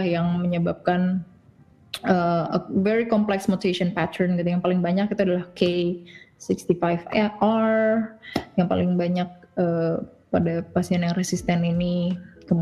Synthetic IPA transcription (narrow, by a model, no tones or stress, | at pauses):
hjaŋməɲəbap̚kan | əəveɾikɔmplɛksmot̪ieʃɔnpat̪ʰərnkit̪̬ujaŋpalɪŋbaɲakit̪uadalahkesikst̪ifajfɛar | jaŋpa̰lɪŋbaɲak̚ə | padapasiɛnjaŋresist̪ɛninikəm